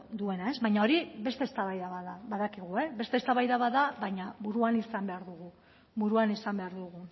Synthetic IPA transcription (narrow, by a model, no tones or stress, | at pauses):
d̪ue̞nae̞zβajɲao̞ɾibe̞st̪e̞ːst̪aβajðaβaðaβaðakiɣ̞ue̞βe̞st̪e̞st̪aβajðaβaðaβaɲaβuɾuanisambe̞aɾðuɣu | βuɾuanisambe̞aɾðuɣu